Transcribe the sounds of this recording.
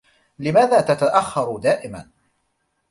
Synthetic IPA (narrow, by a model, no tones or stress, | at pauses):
lɪmaːðaːt̪at̪aʔaxːɑɾˤʊd̪aːʔɪma̰n